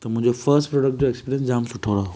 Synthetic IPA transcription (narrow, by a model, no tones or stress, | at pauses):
t̪ɐmʊ̃ɦɪ̃ɲd͡ʑofəɾsʈpɾoːɖək̚ʈ̚d͡ʑoekspiːɾiənsd͡ʑaːmsʊʈʰoɾaɦo